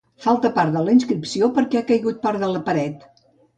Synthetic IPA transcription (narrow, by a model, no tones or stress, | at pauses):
falˠt̪əpaɾðələinskɾipsiopəɾkɛakəjɣut̪̚paɾðələpəɾɛt̪